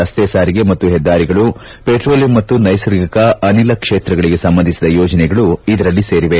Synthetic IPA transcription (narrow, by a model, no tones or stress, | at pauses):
ɐst̪eːsaːɾiɡe̞mɐt̪ːuɦɛd̪ːaːɾiɡɐɭu | peʈɾoːljɐmːɐt̪ːunɐjsɐɾɡɐkɐɐnilɐkʂeːt̪ɾɐɡɐɭiɡe̞sɐmbɐnd̪ʱisid̪ɐjɔːd͡ʒɐnɛɡɐɭuid̪ɐɾɐlːise̞ːɾiʋe̞